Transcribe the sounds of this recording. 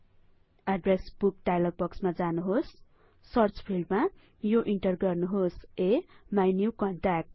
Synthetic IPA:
aɖresb̥uk̚ɖajlʌɡ̚bʌksmad͡zanuɦosː | ʌrt͡spʰilɖma | joʔiɳʈʌrɡʌrnuɦosemajnjukʌɳʈak̚ʈ̚

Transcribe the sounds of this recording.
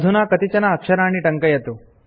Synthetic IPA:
d̪ʱunaːkɐt̪it͡ʃɐnɐːkʂɐɾaːɳiʈɐŋkɐjɐt̪u

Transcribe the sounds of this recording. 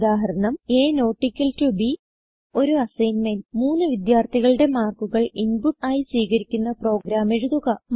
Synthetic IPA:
d̪aːɦɐɾɐɳɐmeːno̞ːʈːikʲːɐltubi | o̞ɾuɐsɐjnmɐnmuːnːɨʋid̪jaːrt̪ʰiɣɐɭɨɽe̞maːrkuɣɐɭinbud̪aːjisʋiːɣɐɾikʲːunːɐpro̞ːɡɾaːme̞ɻuðuɣɐm

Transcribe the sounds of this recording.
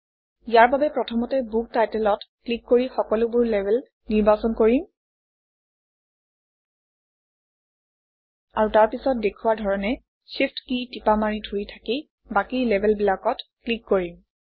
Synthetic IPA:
ijaɹbabɛpɹɔtʰɔmɔtɛbuk̚tajtɛlɔtklikːoɹixɔkɔlʊbʊɹlɛbʱɛl | niɹbasɔnkoɹim | aɹutaɹpisɔt̚dekʰuwaɹdʱɔɹɔnɛ | sifʰtkitipamaɹidʱuɹitʰaki | bakilɛbʱɛlbilakɔtklikːoɹim

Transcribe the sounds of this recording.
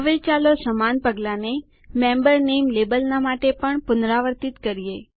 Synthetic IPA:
əʋet͡ʃalosəmanpəɡlane | mẽmbəɾnemlebəlnamaʈepəɳpʊnɾaʋəɾt̪it̪kəɾije

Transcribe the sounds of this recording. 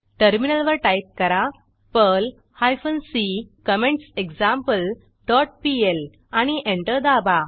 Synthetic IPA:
ʈəɾminəlʋəɾʈajp̚kəɾa | pəl | hajfənsikəmẽɳʈsekd͡zãmpəl | ɖɔʈ̚piel | añiʔẽɳʈəd̪aba

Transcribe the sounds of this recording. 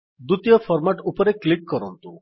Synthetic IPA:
d̪ut̪ijɔpʰɔɾmaʈupɔɾeklikːɔɾɔnt̪u

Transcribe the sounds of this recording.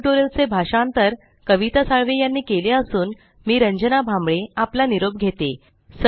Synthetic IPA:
ʈoɾelt͡sebʱaɕant̪əɾ | kəʋit̪asaɭʋejanːiːkeleəsuːn | miːɾəɲd͡ʑənabʱãmbɭeaplaniɾob̚ɡʱet̪e | s

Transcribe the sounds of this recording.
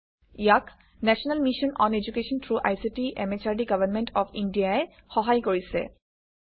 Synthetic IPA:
ijak | nɛsɔnalmiʃɔnɔned͡ʑukeʃɔntʰɹuʔa̰jsitiʔɛ̰met͡ɕaɹdiɡabanmɛntɔfʰindiaɛ | xɔɦajkoɹisɛ̰

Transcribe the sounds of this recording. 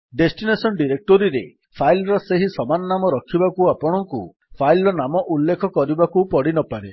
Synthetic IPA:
ɖesʈinesɔnɖiɾek̚ʈɔɾiɾe | pʰajlɾɔseɦisɔmanɔnamɔɾɔkʰibakuapɔɽ̃ɔŋku | pʰajlɔnamɔʔulːekʰɔkɔɾibakupɔɽinɔpaɾe

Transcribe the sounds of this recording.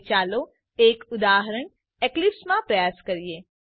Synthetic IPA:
t͡ʃaːlo | eːkʊd̪aːɦəɾəɽ̃ | eklɪpsmãpɾəjaːskəɾieː

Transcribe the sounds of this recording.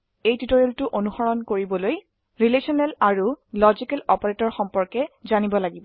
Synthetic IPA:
ejtutɔɹɔltʊʔonuxɔɹɔnkoɹibɔloj | ɹilesɔnɛlaɹulɔzikɛlɔpɔɹetɔɹxɔmpɔɹkɛzanibɔlaɡibɔ

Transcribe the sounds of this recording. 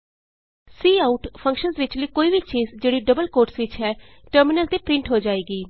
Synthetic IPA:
siːaːʊʈpʰə̃ŋkʃənzʋɪt͡ʃləiːkoːiːbit͡ʃiːzd͡ʒeːɽiːɖəbəlkoːɾʈsʋɪt͡ʃɦɛːʈəɾmɪnəlt̪eːpɾɪ̃ɳʈɦoːd͡ʒaːeːɡiː

